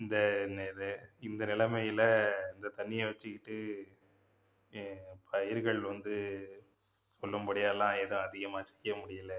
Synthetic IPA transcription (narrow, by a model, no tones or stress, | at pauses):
ɪnd̪ɐnɛɾɐɪnd̪ɐnɪlɐmɐjɪlɐɪnd̪ɐt̪ɐɳːɪjɐʋɐt͡ʃːɯkːɪʈːɯ | pʰɐjɪɾɣɐɭʋɐnd̪ɯ | sɔlːɐmpɐɽɪjaːlãːeðɯ̃ɐðɪɣɐmaːt͡ʃɛ̥kːɐmʊɽɪjɐlɐ